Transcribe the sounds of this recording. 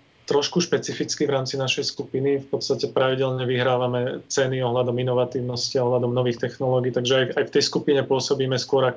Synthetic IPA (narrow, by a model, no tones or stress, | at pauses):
t̪ɾɔʃkuʃpɛt͡sifit͡skivɾaːmt͡sinaʃɛjskupinifpɔt̪st̪acɛpɾaʋiɟɛlɲɛʋiɦɾaːʋamɛt͡sɛniɔɦlad̪ɔminɔʋat̪iːʊnɔsciaɔɦlad̪ɔmnɔʋiːxt̪ɛxnɔlɔːɡiːt̪aɡʒɛajajft̪ɛjskupiɲɛpʊɔsɔbiːmɛskʊɔɾak